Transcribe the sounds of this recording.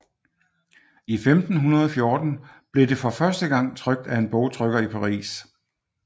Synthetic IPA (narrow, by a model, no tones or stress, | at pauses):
ifemd̥n̩ɦunɐð̞ˠɒfjo̝ːd̥n̩b̥le̝de̝fɒ̽fɶɐsd̥əɡ̥ɑ̈ŋ̰t͡sʰʁœɡ̥̚d̥æe̝nb̥ɔʊt͡sʰʁœɡ̥ɐipʰɑ̈ʁḭːs